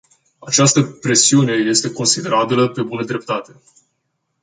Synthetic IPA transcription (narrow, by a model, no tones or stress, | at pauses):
at͡ʃast̪əpɾe̞siune̞je̞st̪e̞ko̞nsid̪e̞ɾabiləpe̞bunəd̪ɾe̞p̚t̪at̪e̞